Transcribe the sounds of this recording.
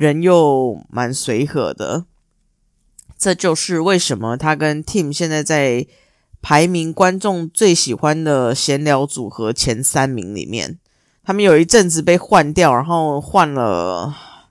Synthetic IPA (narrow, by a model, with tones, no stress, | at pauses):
ɻə˧˥njo˥˩ʊma˧˥nswe˧˥ɪxɤ̰˨˩˦d̪ə̰˦ | ʈ͡ʂɤ˥˧t͡ɕjo˥˧ʊʂɻ̩˥˧we˥˩ɪʂə˧˥nmə˨t̪ʰa˥kə˦nt̪ʰi˥˩mɕjɛ˥˧nt͡sa˥˧ɪt͡sa˥˩ɪ | pʰa˧˥ɪmi˧˥ŋkwa˦nʈ͡ʂʊ˥˧ŋt͡swe˥˩ɪɕi˨˩xwa˦nd̪ə˨˩ɕjɛ˧˥nljɑ˧˥ʊt͡su˨˩xɤ˧˦t͡ɕʰjɛ˧˥nsa˦nmḭ˧˥ŋlḭ˨˩mjɛ̰˥˩n | t̪ʰa˥mə˨njo˨˩i˧˥ʈ͡ʂə˥˩nt͡sɹ̩˨˩pe˥˧ɪxwa˥˧nt̪jɑ˥˩˨ʊɻa˧˦nxo˥˩˧ʊxwa˥˩nlə̰˩